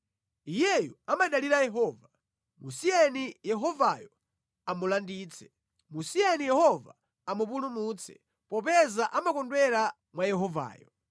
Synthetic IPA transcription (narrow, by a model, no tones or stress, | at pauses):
ijɛjuamaɗaliɾajɛɦɔːva | musiɛnijɛɦɔvajɔ | amulandiːt͡sʰɛ̥ | musijɛnijɛhɔva̰ | amup̬ulumuːt͡sʰɛ̥̰ | pɔpɛzaʔamakɔndwɛɾa | mwajɛɦɔva̰ːjɔ